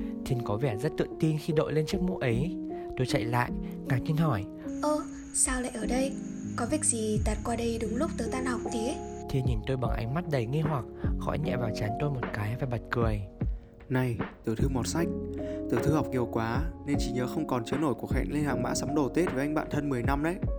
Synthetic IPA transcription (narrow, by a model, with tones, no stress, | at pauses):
t̪ʰi˧nkɔ˨˦vɛ˧˩zə˦˥t̚t̪ɨ̰˧˨əŋt̪i˧nxi˧ɗo̰˧˨jle˧nt͡ɕɨ˦˥k̚mṵ˧˥ʔə˨˦jt̪o˧jt͡ɕa̰˧˨jla̰ː˧˨jʔŋaː˨˩ɲi˧nɦɔ˧˩j | ʔəː˧ | saː˧wla̰ː˧˨jʔəː˧˩ɗə˧jkɔ˨˦vi˨˩ək̚zi˨˩t̪aː˨˩t̚kwaː˧ɗə˧jɗʊ˨˦ŋ͡mlʊ˦˥k͡p̚t̪əː˨˦jt̪aː˧nha˨˩wk͡p̚t̪i˨˦ə | t̪ʰi˧˩ɲi˨˩nt̪o˧jɓa˨˧˩ŋʔa̰˨˦jŋ̟ma˦˥t̚ɗə˨˧˩jŋi˧ɦwa˨˩k̚xɔ̰˧˥jɲɛ̰˧˨vaː˨˩wt͡ɕaː˨˦nt̪o˧jmo˨˩t̚kaː˨˦jvaː˨˩ɓa˨˩t̚kɨ˨˩əj | na˧˩jt̪ɨ˧˩t̪ʰɨ˧mo˨˩t̚sa˦˥jk̟̚t̪ɨ̰˧˩t̪ʰɨ˧ha˨˩wk͡p̚ŋi˨˩əwkwaː˨˦ne˧nt͡ɕi˧˩ɲəː˨˦xə˧wŋ͡mkɔ˨˩nt͡ɕɨ˨˦no˧˩jku˧˩əxɛ̰˧˨ŋle˧nhaː˨˩ŋma̰ː˧˥sa˨˦ŋ͡mɗo˧˩t̪e˦˥t̚va˨˩ʔa˧ŋ̟ɓa̰ː˧˨nt̪ʰə˧nmɨ˨˩əjna˧mʔə̰˨˧˦j